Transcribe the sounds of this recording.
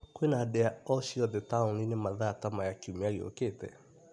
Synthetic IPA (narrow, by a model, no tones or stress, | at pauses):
kwenahadɛaɔɕiɔðɛtauninemaðatamajakiumeaɾio̰keːtɛ̰